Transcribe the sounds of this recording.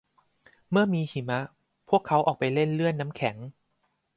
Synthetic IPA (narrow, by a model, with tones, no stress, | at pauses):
mɯ˥˩ɐəmiː˧hi˩˦ma˦˥ | pʰu˥˩əkʰːa˦˥wʔɔː˨˩k̚pa˧jle˥˩nlɯ˥˩ənːa˦˥mkʰɛ˩˦ŋ